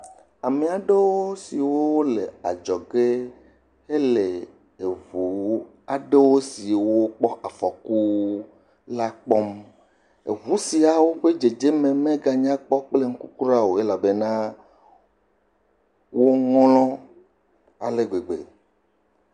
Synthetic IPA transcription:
a˨me˨a˨ɖe˦wo˦si˨wo˦wo˦le˨a̰˨d͡ʒɔ˨ɡe˦ | e˦le˨ | e˨vu˨˦ | a˨ɖe˦wo˦si˨wo˦wo˦k͡pɔ˦ʔa˨fɔ˨ku˦ | la˦k͡pɔ˦m | ḛ˨ɦu˦si˨a˨wo˦ɸe˦d͡ʒe˨d͡ʒe˦mẽ˨mẽ˦ɡa˨ɲ˦ã˦k͡pɔ˦k͡ple˦ŋ̩˦ku˦ku˦ɾa˦wo˨e˦la˨be˦nã˦ | wo˦ŋɔ̃˦lɔ̃˦ | a̰˨le˦ɡ͡be˨ɡ͡bḛ˨

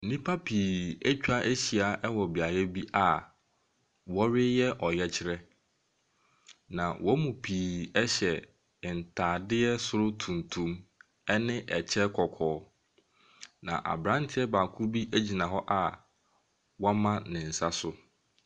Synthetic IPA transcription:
n̩˨nĩ˦pʰa˦pʰiː˨æ˦t͡ɕᶣa˦ʔe˦ɕi˨a˨ʔɛ˦wɔ˨bi˨a˨jɛ˦bi˦ʔa˨ | wɔ˦ɾɪ˦jɛ˦ʔɔ˨jɛ˦t͡ɕʰɪ˦ɾɛ˦ | nã˨wʔɔ˦mũ˨pʰiː˨ɛ˦ɕɛ˨ | n̩˨tʰaː˨dɪ˦ɛ˦sʊ˦ɾʊ˦tʰũ˨n˨tʰũ˦m | ɛ˦nɪ̃˦ʔɛ˨t͡ɕʰɛ˦kʰɔ˨kʰɔː˨˦ | nã̰˨ʔa̰˨bɾã˦n̩˦tʰɪ˦ɛ˦baː˨kʰʊ˦ɾbi˦ʔæ˦d͡ʑi˨nã˨ɦɔ˦ʔa˨ | wɔ˦mã˦nɪ̃˨n̩˨sa˦sʊ˦

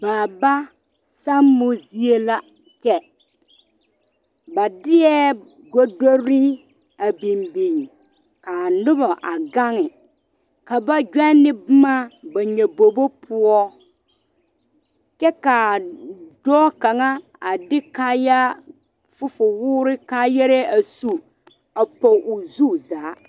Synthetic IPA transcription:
baː˨ba˦ | sa˦mmːo˦zi˦e˦la˦ | t͡ʃɛ˦ | ba˨dɪ˦jɛ˦ | ɡo˦do˦ɾi˦ | a˨bi˨mbi˨ŋ | ka˨nʊ˦bɔ˨ʔa˨ɡa˦ŋɪ˨ | ka˨ba˦d͡ʒɛ˦nɪ˦bʊ˦ma˦ba˨ɲɛ˨bo˨bo˦pʰʊ˦ɔ˦ | t͡ʃɛ˦ka˨dɔ˦ka˨ŋa˦ | a˨dɪ˦kaː˦ja˦ | fʊ˦fʊ˨wʊː˦ɾɪ˦kaː˦jɛ˦ɾɛ˦a˨su˦ | a˨pɔ˨ʔʊ˨zu˦zaː˨˦

